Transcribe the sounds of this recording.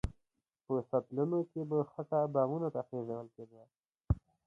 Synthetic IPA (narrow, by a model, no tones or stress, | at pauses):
pəsat̪lunokebaxaʈabɑːmunat̪axezawəlked̪wa